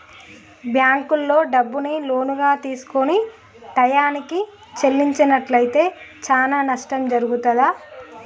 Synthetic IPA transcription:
bjaːŋkulːo̞ːɖɐbːunilo̞ːnuɡaːt̪iːsu̥koni | t̪ɐjaːniki | t͡ʃe̞lːiɲt͡ʃɐnɐʈlɐjit̪e̞ːt͡ʃaːnaːnɐʂʈɐmd͡ʒɐɾuɡut̪ɐd̪aː

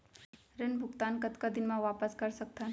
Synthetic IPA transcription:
ɾenbʱʊɡt̪aːnkət̪kad̪ɪnmãʋaːpəskəɾsək̚t̪a

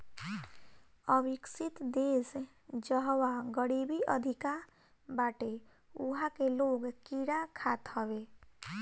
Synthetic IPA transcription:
əbiksit̪d̪es | d͡ʒəɦwaɡəɽibiʔəd̪ʱika | baːʈe | ṵɦakeloɡkiɾakʰat̪ɦəbe

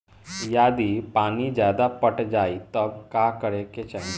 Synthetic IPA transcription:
jaːd̪ipaːnid͡ʒjaːd̪apəʈd͡ʒaːit̪ɐbkaːkəɾeket͡ʃə̃

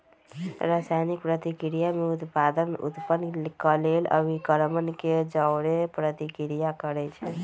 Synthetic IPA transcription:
ɾasajnik̚pɾət̪ikɾijameut̪pad̪ənṵt̪pənkəlelə̰bikəɾmənked͡ʒəwɽepɾət̪ikɾijakəɾɛt͡ʃʰɛ

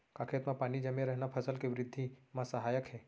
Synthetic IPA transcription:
kaːkʰet̪mãpaːnid͡ʒəmẽɾɛɦnapʰəsəlkeʋɾɪd̪ʱːimãsəɦaːjəkɦɛː

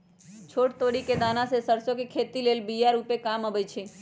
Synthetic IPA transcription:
t͡ʃʰoʈt̪oɽiked̪anasesəɾsokekʰet̪ilelbijaɾupekaməbəjt͡ʃʰe

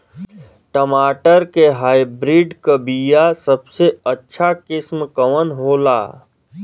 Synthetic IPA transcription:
ʈəmaːʈəɾkeɦaːjbɾiːɖkəbijasəbseətːʃʰakɪsmkəʋənɦoːla̰ː

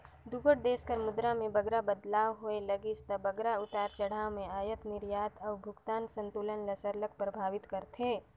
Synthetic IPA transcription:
d̪uɡəɽ̚d̪eːskəɾmʊd̪ɾamẽbɐɡɾabəd̪laːwɦoelɐɡɪst̪əbɐɡɾaʊt̪aːɾt͡ʃɐɽ̤aːwmẽaːjət̪nɪɾjaːt̪ʰɔːʊbʱʊɡt̪aːnsə̃nt̪uːlənlɐsəɾlək̚pɾɐbʱaːʋɪt̪kəɾt̪ʰeː

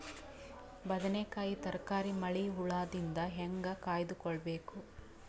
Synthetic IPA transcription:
bɐd̪ɐnekaːjit̪ɐɾkaːɾimɐɭiɦuɭaːd̪ind̪ɐɦeŋɡɐkaːjd̪ukɔɭɐbe̞ːku

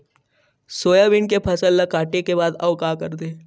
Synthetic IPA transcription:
soːjaʋɪnkepʰɐsəlːɐkaːʈekebaːd̪ɐʋkaːkəɾt̪e

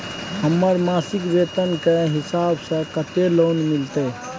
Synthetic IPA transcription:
ɦəmːəɾmaːsɪkʋeːt̪ənkeɦɪsaːbsə̃kət̪eloːnmɪlt̪e

